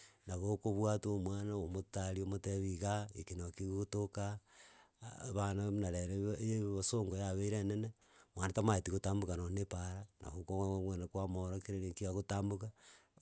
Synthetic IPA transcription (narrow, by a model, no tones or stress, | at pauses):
naɣokoβwatomwaːnaomotaɾiomoteβiɣaekinokiɣotoka | βananaɾeɾejeβosoŋɡojaβeiɾenene | mwanatamaetiɣotaːmbukanonepaɾanʔa̰ɣokoamweːnakwamoɾokeɾenekiaɣotaːmbuka